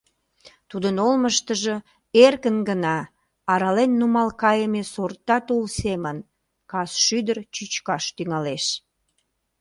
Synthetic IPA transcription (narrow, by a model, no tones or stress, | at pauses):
t̪ud̪ənolməʃt̪əʒə | erkənɡənɑː | ɾɑlenːumɑlkɑjəmesort̪ːɑt̪ulsemən | kɑsʃyd̪ərt͡ɕyt͡ɕkɑʃt̪yŋɑleʃ